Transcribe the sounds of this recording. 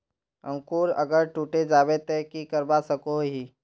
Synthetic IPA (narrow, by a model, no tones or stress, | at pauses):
ə̰̃ŋkuːɾə̰ɡəɾʈuːʈed͡ʒaːʋet̪ekikəɾbasəkoɦi